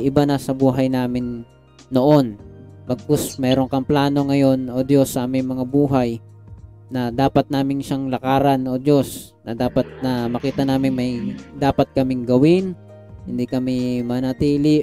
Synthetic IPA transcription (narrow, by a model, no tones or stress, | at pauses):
ʔɪbanɐsɐbuːɦɐjnaːmɪnː | o̞ʔo̞npɐɡ̚kosmɛːɾo̞ŋkɐŋplaːno̞ŋɐjo̞no̞d̪jo̞sːɐʔaːmɪŋmɐŋabuːɦaj | nɐd̪aːpɐt̪̚naːmɪnʃaŋlɐkaːɾɐno̞d̪os | nɐd̪aːpɐt̪̚nɐmɐkiːt̪ɐnaːmɪŋmɐjd̪aːpɐt̪̚kɐmɪŋɡɐwɪn | hɪnd̪ikɐmɪmɐnɐt̪iːlɪ